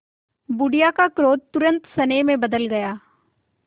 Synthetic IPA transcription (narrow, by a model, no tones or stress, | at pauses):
bʊɖijaːkakɾoːt̪̚t̪ʊɾə̃nt̪səneːmẽbəd̪əlɡəjaː